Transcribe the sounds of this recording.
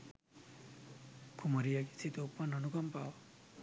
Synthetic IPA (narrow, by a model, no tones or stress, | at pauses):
kʰumʌɾijʌki̥t͡sʰit̪oupːʌnʌnuɡʌmpaw